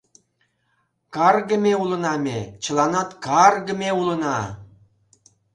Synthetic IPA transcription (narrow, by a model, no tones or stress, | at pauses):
kɑrɣə̆mʲeulə̆nɑmʲet͡ɕə̆lˠɑnɑt̪kɑrɣə̆meulə̆nɑ